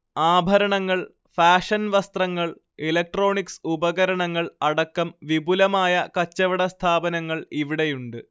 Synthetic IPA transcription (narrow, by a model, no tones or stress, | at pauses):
aːbʱɐɾɐɳɐŋːɐɭ | faːʂɐnʋɐst̪rɐŋːɐɭ | elɐk̚ʈro̞ːɳiksubɐɣɐɾɐɳɐŋːɐɭɐɽɐkːɐmʋibulɐmaːjɐkɐt͡ɕːɐʋɐɽɐst̪ʰaːbɐnɐŋːɐɭiʋiɽe̞juɳɖɨ